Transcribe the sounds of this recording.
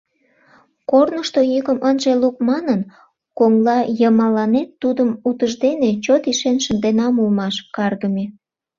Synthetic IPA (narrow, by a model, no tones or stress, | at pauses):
kornəʃt̪ojiɣəmʔənʒeluk̚mɑnən | koŋlɑjəmɑlɑnet̪ːud̪əmut̪əʒd̪enet͡ɕot̪iʃenʃənd̪enɑmulmɑʃkɑrɣəme